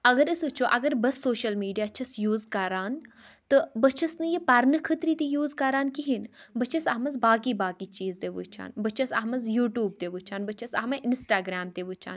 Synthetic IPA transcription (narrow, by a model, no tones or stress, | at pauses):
ɐɡɐɾɨsɨt͡ʃʰoːʔɐɡɐɾbɐsːoːʃɐlmiːɖijaːt͡ʃʰɐsjuːzkɐɾaːn | t̪ɨbɐt͡ʃʰɐsnɨjipɐɾnɨkʰət̪ɾit̪ijuːzkɐɾaːnkiɦinbɐt͡ʃʰɐsɐmɐz̬baːkibaːkit͡ʃiːzt̪eʋṵt͡ʃʰa̰ːnbət͡ʃʰɐsɐɦmɐz̬juːʈjuːb̚t̪eʋut͡ʃʰaːnbət͡ʃʰɐsɐ̰ɦmɐʔɪnsʈaːɡɾaːmt̪eʋut͡ʃʰa̰ːn